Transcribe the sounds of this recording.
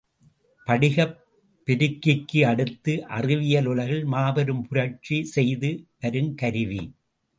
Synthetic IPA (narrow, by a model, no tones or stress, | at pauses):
pɐɽɪɣɐpː | ɪɾɪkːɪkːɯɐɽɯt̪ːɯʔɐ̰rɪʋɪjɐlʊɭɐɣɪɭmaːbɐɾɯmpʊɾɐt͡ʃisɛjðɯʋɐɾɯmkɐɾɯʋḭ